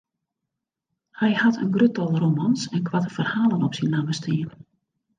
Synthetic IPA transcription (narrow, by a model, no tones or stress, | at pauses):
hɛjhatʰə̰nɡrøtɔlˠromansɛnkʋatəfərhaːlˠənɔpsinlaməstʰiən